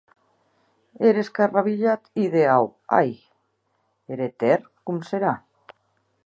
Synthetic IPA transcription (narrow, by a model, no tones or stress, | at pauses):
eɾeskaraβiʎat̪iðeawa̰j | eɾet̪erkumseɾa